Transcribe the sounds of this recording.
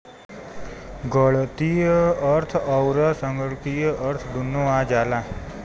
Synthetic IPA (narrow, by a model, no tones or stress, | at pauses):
ɡəɭt̪ijəəɾt̪ʰəwɾasəŋɡəɭt̪ijəʔəɾt̪ʰd̪ʱunːoãd͡ʒalã